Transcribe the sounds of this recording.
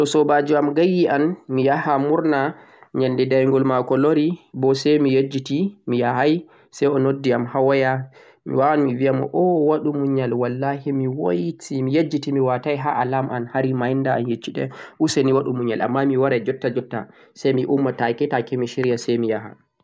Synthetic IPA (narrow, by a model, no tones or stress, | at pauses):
tɔsɔbad͡ʒuamɡajːiʔanmijahamuɾna | ɲandɛdajŋɡɔlmakɔloɾibɔsɛjmijed͡ʒitimijahaj | sɛjɔnodːiamhawaja | mḭwaanmiviamɔ̰ʔɔwaɗumuɲalwalːaɦimiwojtʰimijed͡ʒːitimiwatajɦaʔalamʔanhaɾimajndaa̰njet͡ʃːiɗɛ̰ʔusɛniwaɗumuɲalʔa̰mːamiwaɾad͡ʒɔtːad͡ʒɔtːa̰ | sajmiʔumːatakɛtakɛmiʃiɾijasɛjmijaɦa̰